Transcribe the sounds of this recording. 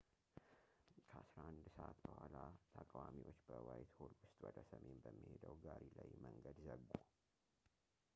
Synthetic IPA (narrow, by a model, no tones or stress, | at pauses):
kʰəasɾaand̪səʔat̪bəhʷwalat̪ʰəkʼwamiwot͡ʃːbəwajt̪holwʊst̪ʼwɔd̪əsəmenbəmːihed̪əwɡaɾilajməŋɡəd̪zəɡo